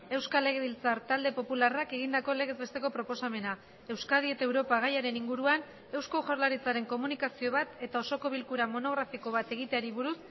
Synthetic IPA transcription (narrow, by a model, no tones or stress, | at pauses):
e̞wskale̞ɣ̞e̞βilt͡saɾt̪ald̪e̞po̞pularake̞ɣ̞ind̪ako̞le̞ɣe̞zβe̞st̪e̞ko̞pɾo̞po̞same̞na | e̞wskað̞ie̞t̪ae̞wɾo̞paɣ̞ajaɾe̞niŋɡuɾuan | e̞wsko̞ʝoɾlaɾit͡saɾe̞ŋko̞munikasio̞β̞at̪e̞t̪ao̞so̞ko̞βilkuɾamo̞no̞ɣ̞ɾafiko̞β̞at̪e̞ɣ̞it̪e̞aɾiβuɾus